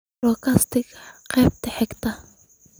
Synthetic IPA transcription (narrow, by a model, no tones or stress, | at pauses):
ɔːkʰast̪ʰɪɡqɛːb̚t̪ɛħɛɡt̪ʰɐ